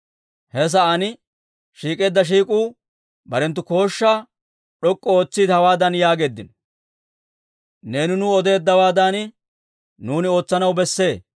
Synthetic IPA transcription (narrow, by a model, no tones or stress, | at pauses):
hɛs̬ɐʔɐnɪ | ʃiːkʼe̞ːd̪ːɐʃ̬iːkʼuː | bɐɾɛnt̪̬ːʊko̞ːʃːaː | ɗɔkʼːɔoːt͡sːiːd̪hɐwaːd̪ɐnjaːɡe̞ːd̪ːɪn | ne̞ːnɪnʊɔd̪e̞ːd̪ːɐwaːd̪aːnɪ | nuːnɪo̞ːt͡sːɐnɐwbɛsːe̞ː